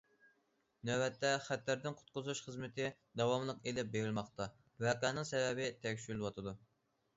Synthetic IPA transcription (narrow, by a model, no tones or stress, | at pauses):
nɛwɛt̪ʰːɛχæt̪ːæɾd̪ɪnqʰʊ̥t̪̚qʊzuʃχəzmɪt̪ʰɪ | d̪ɑwɑmlˠəqelɪp̚beɾɪlˠmɑχt̪ɑ | wɛqæːnɪŋsɛvɛbɪt̪ʰɛkʲʃylwɑt̪ʰɨd̪u